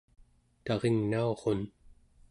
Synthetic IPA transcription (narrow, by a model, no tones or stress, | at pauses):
t̪ɑʁeŋnao̞ʁo̞n